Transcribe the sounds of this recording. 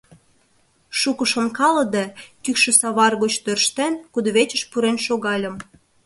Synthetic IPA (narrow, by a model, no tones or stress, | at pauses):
ʃukə̆ʃonkɑlə̆d̪ɑkykʃĕsɑβɑrɣot͡ɕt̪ørʃt̪enkud̪ŏβet͡ɕə̆ʃpuɾenʃoɣɑlʲə̆m